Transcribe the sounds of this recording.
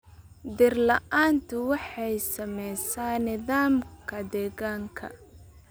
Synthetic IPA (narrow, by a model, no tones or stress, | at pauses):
d̪ɪrlɐʔaːnt̪ʰʊwɑħɑjsɐmɛjsaːnɪðaːmkʰɐd̪ɛːɣaːŋkʰɐ̰